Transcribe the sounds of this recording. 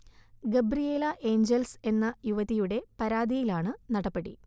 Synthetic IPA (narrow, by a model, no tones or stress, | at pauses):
ɡebɾijeːlɐʔe̞ːɲd͡ʑelse̞nːɐjuʋɐðijuɽe̞pɐɾaːd̪ʱijilaːɳɨnɐɽɐpːɐɽḭ